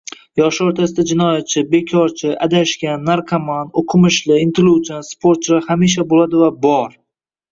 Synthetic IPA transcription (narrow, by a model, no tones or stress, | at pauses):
jɒʃoɾt̪ʰasɪd̪ad͡ʒɪnɒjat̪̚t͡ʃʰɪbe̞kʲʰɒɾt͡ʃʰɪʔad̪aʃkʲanːaɾqʰamand̪oqʰɨmɪʃlɪɪnt̪ɪlut͡ʃanspʰoɾt̪̚t͡ʃlahamiʃ̬abolad̪ɪvabɒɾ